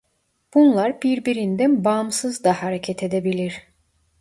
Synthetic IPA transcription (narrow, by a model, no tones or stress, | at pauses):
b̥unlˠaɾbiɾbiɾind̪ænbamsɯzd̪ahaɾecʰɛt̪ʰed̪ebilʲiɾ̥